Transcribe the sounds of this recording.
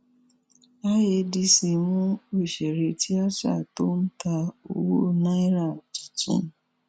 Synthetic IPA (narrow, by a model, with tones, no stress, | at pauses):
a˦je˧di˧si˨˧mũ˦o˦i˨ʃɛ˨ɾe˧ti˦a˦sa̰˦˨to˦n̩˦ta˧o˧wo˦nã˦i˦ɾa˦˨d͡ʒi̥˨tḭ̃˨˦